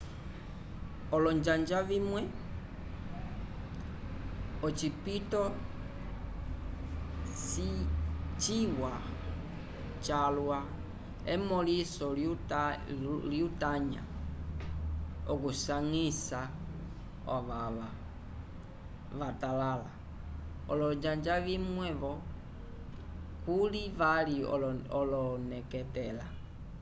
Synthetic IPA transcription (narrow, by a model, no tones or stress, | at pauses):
ɔlɔɲd͡ʒaɲd͡ʒavimwɛ | ɔt͡ʃipitɔ | sit͡ʃiwa | t͡ʃalwa | emɔlisɔl | liutaɲa̰ | ɔkusaŋisa | ɔβaβa | βatalala | ɔlɔɲd͡ʒaɲd͡ʒaβimwɛβɔ | kuliβaliɔlɔnɛkɛtɛla